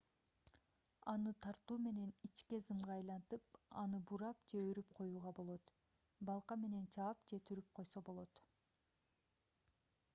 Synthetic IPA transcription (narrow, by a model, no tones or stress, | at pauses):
ɑnɯt̪ʰɑɾt̪uːme̞ne̞nit͡ʃke̞zɯmʁɑɑjlˠɑnt̪ɯpɑ̰nɯbuɾɑpd͡ʒe̞øɾyp̚qʰo̞juːʁɑbo̞lˠo̞t̪ | bɑlˠqɑme̞ne̞nt͡ʃʰɑːpd͡ʒe̞t̪ʰyɾyp̚qʰo̞jso̞bo̞lˠo̞t̪